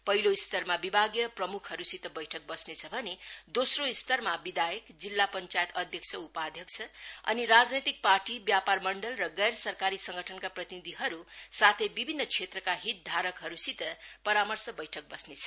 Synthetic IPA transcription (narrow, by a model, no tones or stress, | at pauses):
pʌɦiloist̪ʌrmabibʱaɡjʌprʌmukʰhʌɾusit̪ʌbʌjʈʰʌk̚bʌsnet͡sʰʌbʱʌned̪osroist̪ʌrmabid̪ajʌkd͡zilːapʌnt͡sajet̪ʌd̪ʱjʌksʰʌupad̪ʱjʌkt͡sʰʌʌ̰niɾad͡znet̪ik̚parʈibjaparmʌɳɖʌlrʌɡʌjɾsʌrkaɾisʌŋɡʱʌʈʰʌnkaprʌt̪inid̪ʱiɦʌɾusat̪ʰʌjbibʱinːʌkt͡sʰet̪rʌkaɦit̪̚d̪ʱaɾʌkɦʌɾusit̪ʌpʌɾamʌrsʌbʌjʈʰʌk̚bʌsnet͡sʰʌ̥